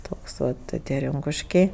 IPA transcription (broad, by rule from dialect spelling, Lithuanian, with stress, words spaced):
ˈtoːks ˈʋɐ tʲɪ ˈtʲiɛ ˈrʲɪŋkʊʃʲkʲɛɪ